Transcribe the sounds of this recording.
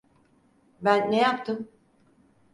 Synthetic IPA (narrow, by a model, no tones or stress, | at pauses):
bænːejapt̪ʰɯm